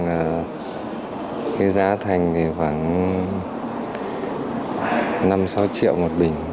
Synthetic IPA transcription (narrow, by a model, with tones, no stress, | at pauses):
ŋaː˨˩ | ke˨˦zaː˨˦t̪ʰa˨˩jŋ̟ve˨˩xwaː˧˩ŋ | na˧msa˨˦wt͡ɕḭ˧˨əwmo˨˩t̚ɓï˨˩ŋ̟